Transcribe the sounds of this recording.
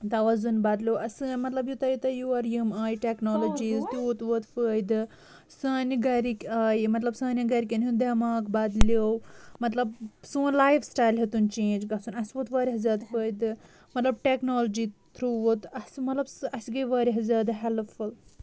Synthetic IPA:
t̪ɐʋɐzunbaːd̪lʲowʔɐsɨmɐt̪lɐbjut̪ɐjut̪ɐjuɐɾjimaːjʈeknoːlod͡ʒiːzt̪uut̪ʋot̪fəjd̪ɨ | saːniɡɐɾikʲaːjmɐt̪lɐbsaːnʲɐɡɐɾikʲɐnjud̪ɐmaːkbaːd̪lowmɐt̪lɐbsũːnlaːjfsʈaːjlɦet̪unt͡ʃẽːnd͡ʒɡɐsunɐsʋot̪ʋɐɾʲiɦɐzaːd̪fəːjd̪ɨ | mɐt̪lɐb̚ʈeknoːlod͡ʒit̪ʰɾuːʋot̪ɐsmɐt̪lɐbsɨɐsɡɐjʋɐɾiɦɐzʲaːd̪ɨɦelful

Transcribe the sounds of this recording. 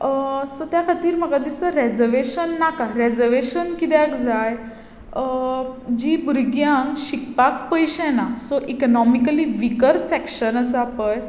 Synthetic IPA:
sɔt̪jakʰat̪iːɾm̤əɡad̪isəɾɛd͡zəɾʋeɕənːakaɾed͡zəɾʋeɕənkit̪jãkd͡zaj | d͡ʑiːbuɾɡjãŋkɕikpakpəjɕnasɔʔikənɔmikəliʋikəɾsɛkɕənəsəapəj

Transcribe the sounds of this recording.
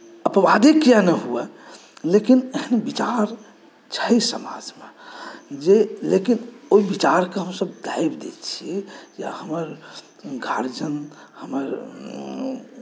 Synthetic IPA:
əpʋad̪ʱikjanəɦuɛ | lekineɦənbit͡ʃaɾ | t͡ʃʰəisəma̰d͡ʒmḛd͡ʒelekinoibit͡ʃaɾkeɦəmsəbd̪aibd̪ḛt͡ʃʰiɛja̰həməɾ | ɡʱaɾd͡ʒən | həməɾ

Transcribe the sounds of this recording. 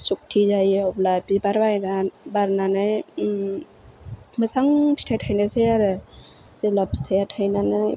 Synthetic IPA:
suk̚tʰizajɔblajbibaɾbajnabaɾnanɯj | mɯsaŋpʰistʰatʰajnasejaɾɯ | z̥eblapstʰajatʰajnanɯj

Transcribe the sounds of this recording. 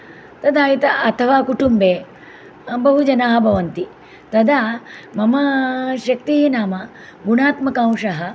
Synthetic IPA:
t̪ɐd̪aːjit̪ɐʔɐt̪ʰɐʋaːkuʈumbeː | bɐɦud͡ʒɐnaːɦɐbʱɐʋɐnt̪i | t̪ɐd̪aːmɐmɐʃɐk̚t̪iɦinaːmɐ | ɡunaːt̪mɐkãːwʂɐɦɐ

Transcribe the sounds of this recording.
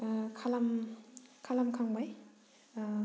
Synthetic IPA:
kʰalam | kʰalamkʰaŋbaj

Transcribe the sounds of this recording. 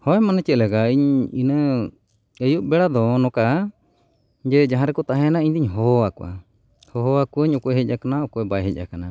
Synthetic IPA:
hɔɛmanat͡ʃɛʔlɛɡaiɲinə | əjuʔ̚bɛɽad̪ɔnɔka | d͡ʒɛd͡ʒaɦãɾɛkɔt̪aɦɛnaiɲd̪iɲɦɔɔakuʔa̰ | hɔɦɔakuəɲɔkɔʔɛɦəc̚ʔakanaɔkɔɛbajɦəc̚ˀakana

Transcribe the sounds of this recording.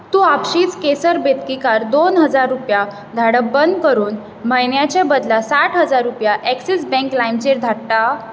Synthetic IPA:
t̪uːapɕiːt͡skesəɾbet̪kikaɾd̪onɦəd͡zaɾːupja | d̪ʱaɽəbənd̪kəɾuːn | bʱəjnjat͡ɕabəd̪lasaʈʰɦəd͡zaɾːupjaʔɛksisbɛ̃ŋklajmt͡ɕeɾd̪ʱaɽʈa

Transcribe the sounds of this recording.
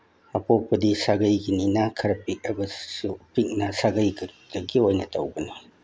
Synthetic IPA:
ɐpopːɐdisaɡɐjɡininakʰɐɾɐpik̚ɐbɐsupik̚nɐsaɡɐjɡd̥ɐɡiojnɐtʰɐ̰wbɐno

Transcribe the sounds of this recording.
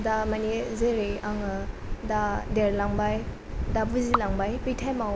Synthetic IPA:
damanezɯɾejaŋɯdadeɾlaŋbaj | dabuzilaŋbajpitʰajmaw

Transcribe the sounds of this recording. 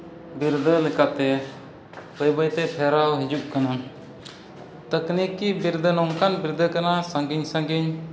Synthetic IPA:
biɾd̪əlɛkat̪ɛ | bəjbəjt̪ɛpʰɛɾawɦid͡ʒuʔ̚kana | t̪əknikibiɾd̪ənɔŋkanbiɾd̪əkanasaŋɡiɲsãŋɡiɲ

